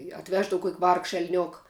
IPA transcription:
ɪ ɐtʲˈʋʲæːʒdɐw kuɔkʲ ʋɐrkʃ ɛlʲˈnʲoːk

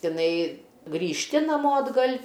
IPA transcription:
tʲɪˈnɐɪ ɡrʲiːʃʲˈtʲɪ nɐˈmoː ɐdˈɡɐlʲ

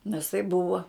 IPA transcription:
nʲɛs tɐɪ ˈbʊʋɐ

